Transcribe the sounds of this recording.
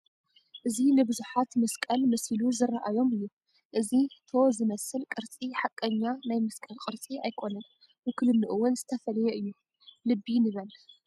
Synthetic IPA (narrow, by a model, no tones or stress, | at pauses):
ʔɨzinɨbɨzuħat̪mɐskʼɐlmɐsiluzɨrːaʔajo̞mɨjːu | ʔɨzit̪ʰo̞zɨmɐsɨlkʼɨɾt͡sʼiħakʼːɐɲːanajmɨskʼɐlkʼɨɾt͡sʼiajkʰo̞nɐn | bɨkʰɨlɨnːɨʔɨwʊnzɨt̪ʰɐfɐlɐjɛʔɨjːu | lɨbːinɨβɐl